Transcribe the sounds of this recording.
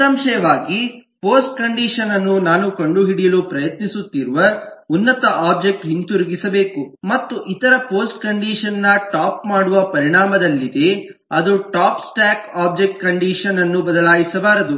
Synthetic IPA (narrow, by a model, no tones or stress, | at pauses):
sɐmʃɐjɐʋaːɡipoːsʈ̚kɐɳɖiːʂɐnɐnːunaːnukɐɳɖuɦiɽijɐlupɾɐjɐt̪nisut̪ːiɾuʋɐunːɐt̪ɐʔaːb̚d͡ʒek̚ʈɦint̪uɾuɡisɐbe̞ːkumɐt̪ːuʔit̪ɐɾɐpo̞ːsʈkɐɳɖiːʂɐnːɐʈaːpmaːɽuʋɐpɐɾiɳaːmɐd̪ɐlːid̪e̞ | ɐd̪uʈaːpsʈaːkaːb̚d͡ʒek̚ʈ̚kɐɳɖiːʂɐnɐnːubɐd̪ɐlaːjisɐbaːɾɐd̪u